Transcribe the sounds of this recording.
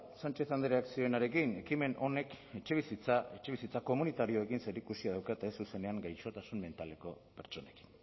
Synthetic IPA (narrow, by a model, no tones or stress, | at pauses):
sant͡ʃe̞t̪and̪eɾeaksio̞enaɾe̞kine̞kime̞nʔo̞ne̞k | e̞t͡ʃe̞βisit͡sae̞t͡ʃe̞βisit͡sako̞munit̪aɾio̞e̞kinse̞ɾikusiaðawkaet̪aesuse̞ne̞aŋɡajt͡ʃo̞t̪asunme̞nt̪aleko̞pe̞ɾt͡ʃo̞ne̞ki̥n